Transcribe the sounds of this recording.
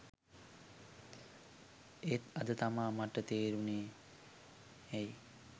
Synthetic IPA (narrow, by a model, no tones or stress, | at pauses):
et̪ɐd̪ət̪amaːmaʈət̪eːɾuneː | ɛj